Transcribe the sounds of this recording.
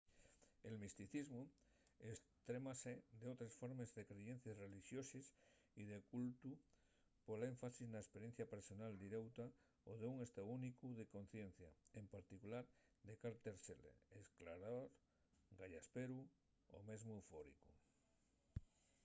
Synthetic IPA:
e̞lmist̪iθizmu | est̪ɾe̞mased̪eot̪ɾesfo̞ɾmezðe̞kɾeʝe̞n̟θjasre̞liʃjo̞sis | ið̞e̞kult̪u | pole̞ɱfasiznaespeɾjen̟θjapeɾso̞nald̪iɾewt̪a | oðeuŋest̪aunikuðe̞ko̞nθje̞n̟θjaempaɾt̪ikulaɾd̪ekaɾt̪eɾselḛesklaɾaoɾ | ɡaʎaspeɾu | o̰me̞zmoufoɾḭku

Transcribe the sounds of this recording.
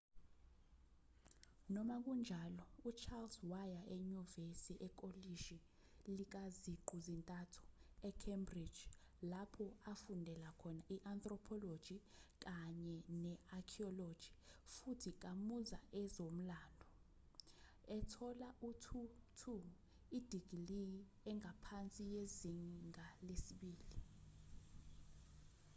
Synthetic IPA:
nɔmak̬und͡ʒʱalɔut͡ʃʰalswajaʔɛɲuvesiʔɛk̬ʼoliʃi | lik̬aziǃʱuzintʼatʰu̥ɛkʰembrid̥ʒ̥ | lapʰɔafundʱɛlakʰɔnaʔiʔant̪ʼrɔpʰɔlod̥ʒ̥ʱik̬aɲɛnɛakʰiɔlod̥ʒ̥ʱifutʰik̬ʼamuzaʔɛzom̩laːndʱɔ | ɛtʰɔlautʰutʰu | id̥ʱiɡ̥ʱiliji | ɛŋɡʱapʰant͡sʼijeziŋʱalesiɓiːli

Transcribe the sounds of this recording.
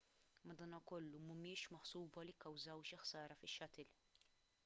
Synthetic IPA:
mɐd̪ɐːnɐkɔlːumɐmɪːʃmɐħsuːbɐlikːɐwzɐwʃɪħsɐːɾɐfɪʃːɐt̪ɪl

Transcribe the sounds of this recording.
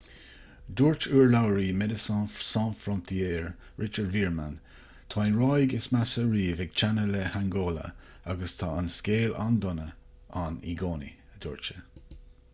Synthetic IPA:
d̪uːɹt͡ʃuːɹlawəɾiːmɛd̪əssɑ̃nfɾɔnt̪ʰieːɹ | ɹɪt͡ʃəɹdviːɹma̰n | t̪ʰɑːɪnɹɑjɡɪsmasəɹiːvɛɡ̚t͡ʃʰanəlɛhaŋɡoːlə̰ | aɡəst̪ʰɑ̰ːanskeːla̰nd̪ʊnə | anḭɡoːnḭ | əd̪̥uːɹt͡ʃə

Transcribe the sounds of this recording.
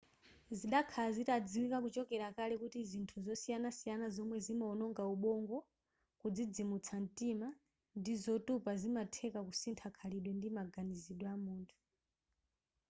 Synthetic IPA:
ziɗakʰalazitad͡ziwikakut͡ʃɔkɛɾakalɛkutizintʰuzɔsijanasijanazɔmwɛzimaɔnɔŋɡauɓɔŋɡɔ | kud͡zid͡zimut͡sʰan̩tima | ndizɔtupazimatʰɛkakusintʰakʰaliɗwɛndimaɡaniziɗwɛamuːntʰu̥

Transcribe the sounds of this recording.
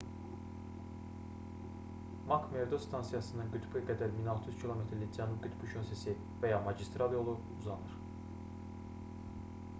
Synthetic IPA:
mɑkʰme̞ɾd̪ost̪ʰɑnsijɑsɯnɯnɡyt̪ʰbɯɡæd̪æɾminɑlˠt̪ʰɯjyz̥cʰilˠo̞met̪ɾlid͡zænub̚ɡyt̪ʰbyʃʰonsesi | væjɑmɑɟist̪ɾɑlˠjo̞lˠu | uzɑnɯɾ̥

